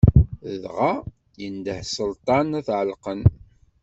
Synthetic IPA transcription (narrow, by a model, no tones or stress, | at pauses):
əðʁa | jənd̪əhsəlt̪ˤɑnæθʕəlqən